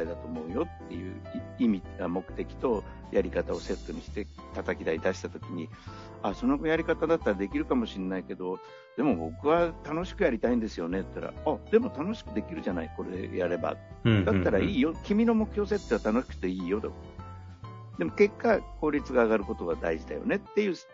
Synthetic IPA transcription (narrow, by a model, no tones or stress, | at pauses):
aid̪at̪o̞ːmo̞ɯ̟jo̞t̪ːe̞jɯ̟̰ːimʲiɡamo̞kɯ̟̥t̪e̞kʲi̥t̪o̞ | jaɾʲikat̪ao̞se̞t̪ːo̞ɲ̟iɕi̥t̪e̞t̪at̪akʲid̪aid̪aɕi̥t̪at̪o̞kʲiɲ̟i | aso̞no̞ɡojaɾʲikat̪ad̪at̪ːaɾad̪e̞kʲiɾɯ̟kamo̞ɕinːaike̞d̪o̞ | d̪̥e̞mo̞bo̞kɯ̟βat̪ano̞ɕi̥kɯ̟jaɾʲit̪aĩnd̪e̞sɨjo̞ne̞t̪ːaɾa̰ad̪̥e̞mo̞t̪ano̞ɕi̥kɯ̟d̪e̞kʲiɾɯ̟ʑanaiko̞ɾe̞jaɾe̞ba̰ | d̪at̪ːaɾaiːjo̞kʲimʲino̞mo̞kɯ̟çʲjo̞ːs̬e̞t̪ːeat̪ano̞ɕi̥kɯ̥t̪eiːjo̞t̪ok | d̪e̞mo̞ke̞kːako̞ːɾʲit͡sɨɡaːɡaɾɯ̟ko̞t̪o̞ɡad̪aiʑid̪a̰jo̞̰ne̞t̪ːe̞jɯ̟ː